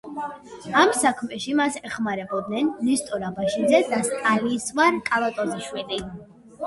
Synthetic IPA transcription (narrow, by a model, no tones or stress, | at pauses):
amsakʰmɛʃimasɛχmaɾɛbɔd̪nɛnːist̪ʼɔɾabaʃid̪zɛd̪ast̪ʼalisvaɾkʼalˠat̪ʼɔziʃwili